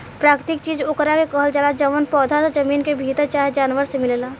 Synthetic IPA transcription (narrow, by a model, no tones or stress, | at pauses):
pɾaːkɾt̪ɪk̚t͡ʃiːd͡ʒʊkɾakekəɦəld͡ʒəlad͡ʒəʋənpɔːd̪ʱasad͡ʒəmiːnkebʱiːt̪əɾt͡ʃaːɦed͡ʒaːnʋəɾsemɪllaː